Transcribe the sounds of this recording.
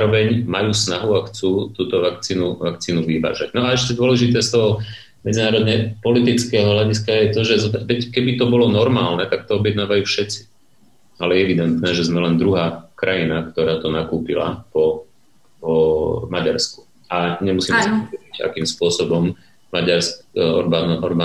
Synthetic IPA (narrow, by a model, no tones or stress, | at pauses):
aɾɔʋɛɲmajuːsnaɦuaxt͡suːt̪uːt̪ɔʋakt͡siːnuʋakt͡siːnuʋiʋa̰ːʒaɟnɔaɛʃcɛd̪ʊɔlɛʒit̪ɛːst̪ɔɦɔ | mɛd͡zinaːɾɔd̪ɲɛpɔlit̪it͡skɛːɦɔɦlaɟiskajɛt̪ɔʒɛzʋɛckɛbit̪ɔbɔlɔnɔɾmaːlnɛt̪ak̚t̪ɔɔbjɛd̪naːʋajuːfʃɛt͡si̥ | alɛjɛɛʋid̪ɛnt̪nɛːʒɛzmɛlɛnd̪ɾuɦaːkɾajinakt̪ɔɾaːt̪ɔnakuːpila̰pɔ | ɔmaɟaɾsku̥ | aɲɛmusiːmɛsɔiɟa̰kiːmspʊɔsɔbɔm | maɟaɾskanɔɾba